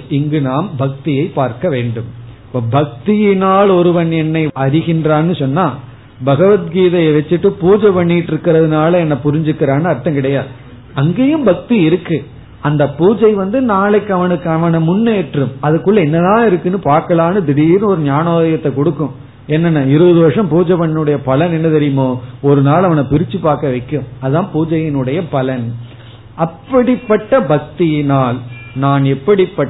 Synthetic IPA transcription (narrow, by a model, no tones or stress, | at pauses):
ɪŋɡɯnaːmbɐk̚t̪ɪjɐɪpːaːɾkɐʋeːɳɖɯm | pːɐːbɐk̚t̪ɪjɪnaːlɔɾɯʋɐnɛnːɐɪɐɾɪɣɪndraːnːɯsɔnːaː | bɐɣɐʋɐt̪̚ɡiːðɐjɐʋɛt͡ʃːɪʈːɯpuːd͡ʒɐpɐɳːɪʈːɪɾɯkːɪɾɐðɯnaːlɐɛnːɐpʊɾɪɲd͡ʒɯkːɪɾaːnɯɐɾt̪ːɐ̃mkɪɽɐjaː | ɐŋɡeːjɯmbɐk̚t̪iɪɾɯkːɯ | ɐnd̪ɐpuːd͡ʒɐɪʋɐnd̪ɯnaːɭɛɪkːɐʋɐnɯkːɐʋɐnɐmʊnːeːʈrɯmɐðɯkːɯɭːɐɛnːɐðãːɪɾɯkːɯnːɯpaːɾkɐlaːnɯd̪ɪɽiɾɔɾɯnjaːnoːðɐjɐt̪ːɐkɔɽɯkːʊ̃ | ɛnːɐnːɐɪɾɯʋɐðɯʋɐɾʂɐ̃mpuːd͡ʒɐʋɐnːɐnɯɽɐjɐpɐlɐnɛnːɐt̪ɛɾɪjɯmoːɔɾɯnaːlɐʋɐnɐpɪɾɪt͡ʃːɯpaːɾkɐʋɐɪkːɯmɐðɯðãːpuːd͡ʒɐjɪnɯɽɐjɐpɐlɐn | ɐpːɐɽɪpːɐʈːɐbɐk̚t̪inaːl | naːnɛpːɐɽɪpːɐ